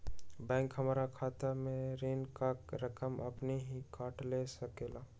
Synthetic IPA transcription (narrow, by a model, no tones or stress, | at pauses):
bɛ̃ːŋkɦəmɾakʰaːt̪amẽɾeːnkakɾəkəmə̰pneɦikaːʈlesəkeːla